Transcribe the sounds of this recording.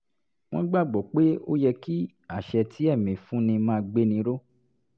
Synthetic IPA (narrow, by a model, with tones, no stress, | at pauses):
w̃ɔ̃˦ɡ͡ba˦˨ɡ͡bɔ˨k͡pe˦o˦jɛ˧ki˦ | a˦˨ʃɛ˧tʰi˦ɛ˦˨mĩ˨fũ˨˦nĩ˧mãː˦˧ɡ͡be˦nĩ˧ɾo˦